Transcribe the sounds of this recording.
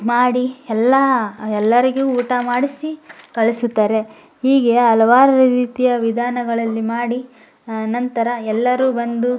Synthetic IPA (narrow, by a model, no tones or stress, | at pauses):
maːɽiɛlːɐɛlːɐɾiɡuuːʈɐmaːɽisikɐɭisut̪ːaːɾe̞ | hiːɡe̞ɐlɐʋaːɾɐɾɐɾiːt̪ijɐʋid̪ʱaːnɐɡɐɭɐlːimaːɽi | nɐnt̪ɐɾɐɛlːɐɾuːbɐnd̪u